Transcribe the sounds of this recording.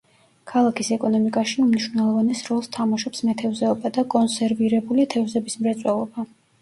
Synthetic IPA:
kʰalˠakʰisɛkʼɔnɔmikʼaʃiumniʃwvnɛlˠɔvanɛsɾɔlˠst̪ʰamaʃɔpsmɛt̪ʰɛvzɛɔbad̪akʼɔnsɛɾviɾɛbulit̪ʰɛvzɛbismɾɛt̪sʼwɛlˠɔba

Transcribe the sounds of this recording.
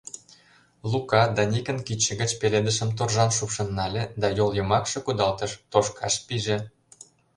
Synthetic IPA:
lukɑd̪ɑnʲikə̆nkit͡ɕːə̆ɡə̆t͡ɕpeled̪əʃə̆mt̪orʒɑnʃupʃɤ̆nːɑlʲĕd̪ɑjoljɤ̆mɑkʃɤ̆kud̪ɑlt̪ə̆ʃt̪oʃkʰɑʃpiʒĕ

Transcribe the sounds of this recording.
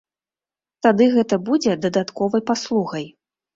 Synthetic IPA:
t̪ad̪ɨɣɛt̪ɐbud͡zʲɛd̪ɐd̪at̪kɔvɐjpaslˠuɣɐj

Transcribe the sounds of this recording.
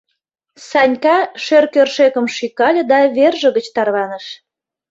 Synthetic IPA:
sɑnʲkɑʃørkørʃekə̆mʃikɑlʲə̆d̪ɑβerʒə̆ɣət͡ɕt̪ɑrβɑnəʃ

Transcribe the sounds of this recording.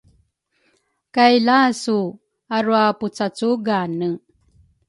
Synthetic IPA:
kajlasu | aɾuaput͡sat͡suɡanə

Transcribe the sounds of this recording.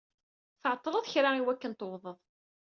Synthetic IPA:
θʕt̪ˤːəlˤəðˤçɾaiwækːənt̪əwðˤəðˤ

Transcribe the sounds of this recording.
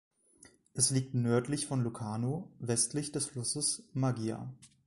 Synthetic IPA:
ʔɛsliːk̚tnœɐtlɪçfɔnlukʰaːnoːvɛstlɪçd̥ɛsflʊsəsmaɡiːa̰

